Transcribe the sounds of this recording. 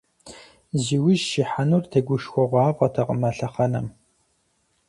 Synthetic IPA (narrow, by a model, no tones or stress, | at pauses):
ziwɪʒʃiħanurtʰɐɡʷʊʃxʷɔʁʷɑːpʼɐtʰɐqʼəmɐɬɐχɐnɐm